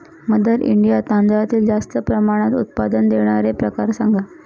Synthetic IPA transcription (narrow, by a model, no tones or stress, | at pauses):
məd̪əɾʔḭɳɖijat̪and̪ɾat̪iːld͡zast̪əpɾəmaɽ̃at̪ṵt̪̚pad̪ənd̪eɽ̃aɾepɾəkaɾsaŋɡa